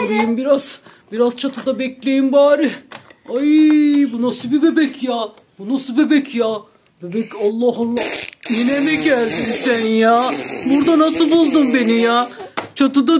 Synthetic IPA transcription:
uɾijimbiɾaz̥ | biɾaz̥t͡ʃʰat̪ʰɯd̪abɛclʲejimbaːɾɯajibunasɯbibebɛcʰjaː | bunasɯbebɛcʰjaː | bebɛcalˠːɑːɦɯnjinemɛɟælʲd̪isænjaːbuɾd̪anasɯbulˠd̪umbenijaːt͡ʃʰat̪ɯd̪a

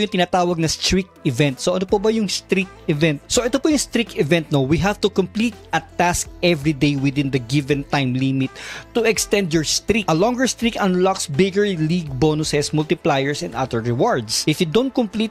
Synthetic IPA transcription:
jʊŋt̪ɪnaːt̪aːwɐɡ̚nɐst̪ɹik̚t̪ɪvɛ̃nt̪soʔɐnopobɐjʊŋst̪ɾik̪̚ | ɪvɛ̃nt̪̚soʔɛt̪opojʊŋst̪ɾik̚t̪ɪvɛ̃nt̪̚nowiɦavt̪ʊkʊmplit̪̚ʔɐt̪ask̚ʔɛvɹid̪ejwɪd̪ɪ̃nd̪ɐɡɪvɛ̃nt̪ajmlimɪt̪̚ːuɛkst̪ɛ̃nd̪jɔɹst̪ɾikʔɐlɔ̃ŋɡəɹst̪ɾikɐ̃nlɔksbɪɡəɹliɡ̚bonʊsɛsmʊlt̪ɪplajɛɹsɛ̰̃nd̪ʔɐ̰d̪əɹɹɛwaɹd̪sʔɪfjud̪ont̪̚kʊmplit̪

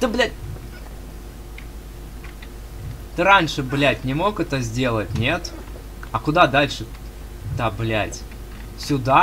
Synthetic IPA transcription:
t̪ɨblʲ | t̪ɨɾanʲʂɨblʲætʲnʲɪmo̞kɛt̪əzʲdʲe̞lˠətʲnʲe̞t̪ | ɐkʊd̪ad̪alʲʂɨ | t̪ablʲæ̰tʲ | sʲʊd̪a

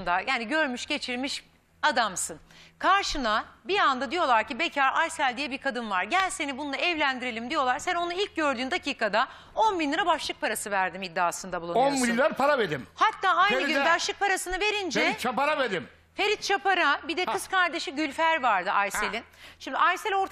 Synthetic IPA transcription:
nd̪ajaːniɟø̞ɾmyʃɟe̞t͡ʃʰiɾmiʃ | ad̪amsɯnkʰaɾʃɯnabiand̪ad̪ijo̞lˠaɾcibecʰaɾajsælʲd̪ijɛbiɾkʰad̪ɯnvaɾɟælʲse̞nibund̪ˠaɛvlʲænd̪iɾe̞lʲimd̪ijo̞lˠaɾsæno̞nuilʲc̚ɟø̞ɾd̪yːnd̪acʰiːkʰad̪a | o̞nbinʲlːiɾabaʃlˠɯk̚pʰaɾasɯvæɾd̪imid̪ːaːsɯnd̪abulˠunobinʲlːʲaɾpʰaɾaveɾimhat̪ʰːaːaj̪ɯɟnbaʃlˠɯk̚pʰaɾasɯnɯve̞ɾind͡ʒɛeit͡ʃʰapaɾaveɾim | fe̞ɾit̪̚t͡ʃʰapaɾabid̪ɛkkɯskʰaɾd̪e̞ʃiɟylʲfæɾvaɾd̪ɯʔajselʲinʃimd̪iʔajselʲo̞ɾt̪ʰ

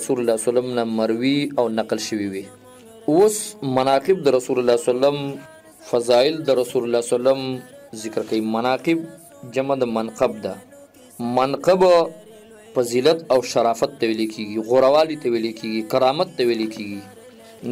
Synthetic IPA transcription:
sullasalamnamaɾwiawnaqlʃəwiwi | osmanɑqɪb̚d̪əɾasulalasalam | fazɑɪld̪əɾasulalɑsalamzɪkɾkawimanɑqɪb̚ | d͡ʒamad̪əmanqab̚d̪a | manqaba | pəzilat̪awʃaɾɑfat̪ːawelekʰeɡiɣʊɾawɑlit̪awelekʰeɡikaɾɑmat̪ːawelekʰeɡi

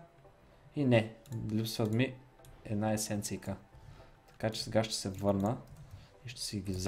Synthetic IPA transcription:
inɛlʲupsvət̪mi | ɛd̪naɛsɛnt̪sijkə | t̪ɐ̥kat͡ʃɛ̥sɛɡaʃt̪ɛ̥sɛvɤɾnə | iʃt̪ɛ̥sɛɡʲiz

